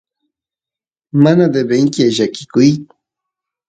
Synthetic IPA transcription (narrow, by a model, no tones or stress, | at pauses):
manad̪ebeŋkɪaʒakɪ̥kʊj